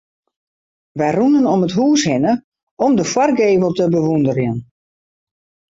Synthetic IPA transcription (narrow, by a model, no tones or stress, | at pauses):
ʋɛjrunənɔmətɦuːshɪnə | ɔmdəfwɔrɡeːvəlˠtəbəʋundərjən